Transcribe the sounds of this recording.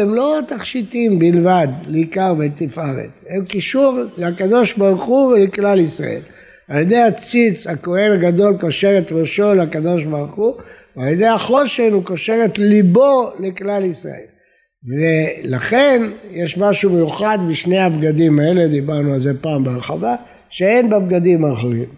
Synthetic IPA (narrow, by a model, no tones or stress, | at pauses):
emlo̞t̪aχʃit̪imbilvad̪leikaʁvet̪ifaʁḛt̪emkiʃuʁleakad̪o̞ʃbaʁχuveleklalisʁa̰ʔe̞̰l | aljed̪e̞jhat͡sit͡shako̞he̞naɡad̪o̞lkoʃe̞ʁet̪ʁoʃo̞lakad̪o̞ʃbaʁχuvealjed̪e̞jaχo̞ʃenukoʃe̞ʁe̞t̪libo̞leklalisʁa̰el | velaχe̞njeʃmaʃumejuχad̪biʃne̞jabɡad̪imae̞le̞d̪ibaʁnualze̞paːmbeʁeχava | ʃeenbeb̚ɡad̪imaχuʁim